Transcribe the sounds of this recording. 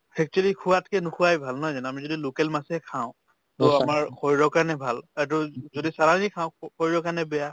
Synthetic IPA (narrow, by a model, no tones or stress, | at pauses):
pʰɛk̚tɔlikʰuwatkɛnʊkʰuwajbʱalnɔjzanamizodilʊkɛlmasɛkʰaʊ̃ | tɔamaɹkʰɔjɹɔkaɹnɛbʱalat̬uzodisaɹazikʰãʊ̃kʰɔjɹɔkaɹnɛbɛja